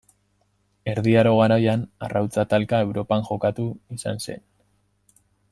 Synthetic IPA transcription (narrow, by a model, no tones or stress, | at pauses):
e̞ɾðiaɾo̞ɣ̞aɾajana̰rawt͡sat̪alkae̞wɾo̞paŋʝo̞kat̪uisa̰nse̞̰n